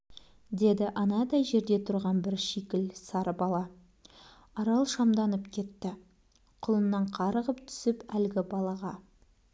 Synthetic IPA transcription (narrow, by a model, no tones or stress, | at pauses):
d̪e̞d̪ɪʔɑnɑd̪ɑjʒe̞ɾd̪e̞t̪ʰʊɾʁɑnbɪɾʃikʲɪlsɑɾəbɑlˠɑ | ɑɾɑlˠʃɑmd̪ɑnəpkʲʰe̞t̪ːɪ | qʰʊlˠənːɑɴqʰɑɾəʁəpt̪ʰʏ̥sɪpælɡʲɪbɑlˠɑʁɑ